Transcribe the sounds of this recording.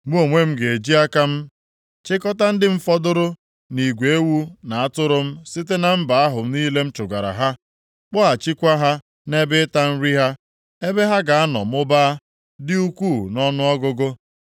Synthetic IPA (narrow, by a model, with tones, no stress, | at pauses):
mu˦o˨ŋʷe˦m̩˦ɡe˨e˨d͡ʒi˦a˦ka˦m̩˦ | t͡ʃɪ˦kɔ˦ta˦n̩˦dɪ˦m̩˦fɔ˦dʊ˦ɾʊ˦ | ni˨ɡʷe˨e˦wu˦na˨a˦tʊ˦ɾʊ˦m̩˦sɪ˦t̬e˦na˨m̩˦ba˨a˦ɦʊ˨m̩˦niː˦le˦m̩˦t͡ʃʊ˨ɡa˨ɾa̰˨ɦa˦ | k͡pɔ˦a˨t͡ʃi˦kʷa˦ɦa˦ | ne˦bɪ˦ta˦m̩˦ɾi˦ɦa˦ | e˦be˦ɦa˦ɡa˨a˦nɔ̰˨m̩˦ʊ˦baː˦ | dɪ˦u˦kʷuː˦˨nɔ˦nʊ˦ɔ˦ɡʊ˦ɡʊ˦